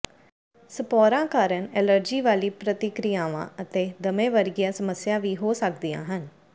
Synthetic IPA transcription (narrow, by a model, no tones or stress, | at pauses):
səpɔːɾãːkaːɾənɛːləɾd͡ʒiːʋaːliːpɾət̪ɪkɾijaːʋã̰ːət̪eːd̪əmẽːʋəɾɡɪjaːsəməsjaːʋiːɦoːsəkd̪ijã̰ːɦən